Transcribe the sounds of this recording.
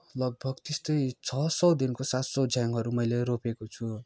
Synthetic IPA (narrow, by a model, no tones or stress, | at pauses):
lʌɡ̚bʱʌɡt̪est̪ʌjt͡sʰʌsʌwd̪inkosat̪sʌwd͡zjaŋɦʌɾumʌjleropekot͡sʰu